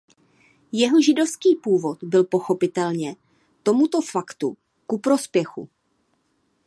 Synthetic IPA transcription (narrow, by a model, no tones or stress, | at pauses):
jɛɦoʒɪdo̞fskiːpuːvo̞t̪bɪlpo̞xo̞pɪt̪ɛlɲɛ | t̪o̞mut̪o̞fakt̪ṵ | kupɾo̞spjɛxṵ